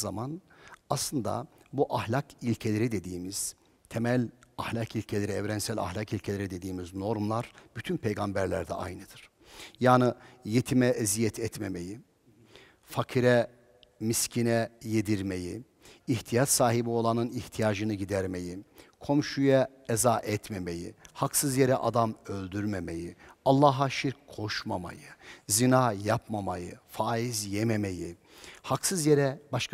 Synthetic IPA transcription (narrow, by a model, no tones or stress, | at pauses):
zamanaslˠɯnd̪a̰ | buʔahlʲakʰilʲcʰe̞lʲeɾid̪e̞d̪iːmiz̥ | t̪ʰemælʲahlʲakilʲcʰelʲeɾiɛvɾɛnsælʲa̰hlʲakilʲcʰelʲeɾid̪e̞d̪iːmizno̞ɾmlˠaɾb̥yt̪ʰynpʰejɡambæɾlʲæɾd̪ɛ̰ʔa̰jnɯd̪̥ɯɾ̥ | jaːnɯjet̪ʰimɛʔɛzijɛt̪ʰɛt̪me̞me̞ji | fakʰiɾɛ | miscʰinɛjed̪iɾme̞jiː | ht̪ʰijat͡ʃsaːɦibio̞lˠanɯniht̪ʰijaːd͡ʒɯnɯɟid̪æɾme̞jikʰo̞mʃuja | ɛzaːʔɛt̪me̞me̞jḭhaksɯzjeɾɛʔad̪amølʲd̪yɾmeme̞jialˠːaːɦaʃiɾkkʰːoʃmama̰jɯzinaːjapmamajɯfaːizjɛmeme̞ji | haksɯzjeɾɛbaʃk